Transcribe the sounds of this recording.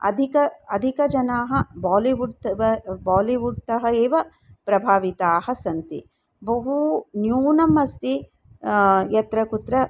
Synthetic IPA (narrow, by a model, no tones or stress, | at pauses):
ɐ̰d̪ʱikɐɐd̪ʱikɐd͡ʒɐnaːɦɐbaːliʋuɖt̪ɐɐbaːliʋuɖ̚t̪ɐɦɐeːʋɐ | pɾɐbʱaːʋit̪aːhɐsɐnt̪i | bɐɦunjuːnɐmɐst̪i | jɐt̪ɾɐkut̪ɾɐ